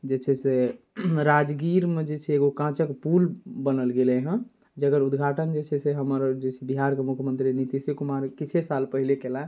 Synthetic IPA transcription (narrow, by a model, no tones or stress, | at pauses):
d͡ʒet͡ʃʰɛse | ɾad͡ʒɡiɾmed͡ʒet͡ʃʰɛːɡokãt͡ʃəkpulbənəlɡeleɦə̃ | d͡ʒəɡəɾud̪ɡʱaʈənd͡ʒet͡ʃʰɛseɦəməɾd͡ʒet͡ʃʰɛbiɦaɾkemukʰjəmənt̪ɾinit̪isikumaɾkit͡ʃʰesalpəɦilekela